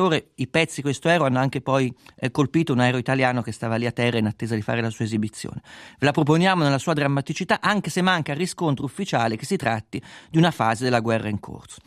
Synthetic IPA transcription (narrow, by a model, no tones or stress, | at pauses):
oːɾeipɛt̪sːikwest̪oɛːɾoanːoaŋk̟epɔjkolpiːt̪ounaɛːɾoit̪aljaːnok̟est̪aːvaliat̪ːɛrːainat̪ːeːzad̪ifa̰ːɾelasuːaezibit̪sːjo̰ːnevelapɾop̬onjaːmonelːasuːad̪ɾamːat̪it͡ʃit̪aʔaŋkesemːaŋkarːiskont̪ɾoufːit͡ʃaːlekesːit̪ɾa̰t̪ːid̪iunafaːzed̪elːaɡwɛrːaiŋkʰo̰rt̪so̥